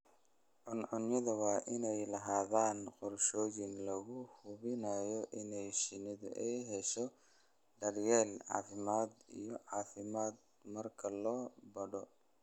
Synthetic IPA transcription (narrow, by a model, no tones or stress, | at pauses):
ʕʊnʕʊnjɪðɐwɑːʔɪnɛjlɐɦaːðaːnqɔrʃɔːjɪnlɐɣʊhʊβɪnaːjɔʔɪnɛjʃɪnɪðʊʔɛjɦɛʃɔ | ɖɐrjɛːlʕɑ̰ːfɪmaːd̪ḭjɔʕɑːfɪmaːd̪ | mɐrkʰɐlɔːbɐɽɔ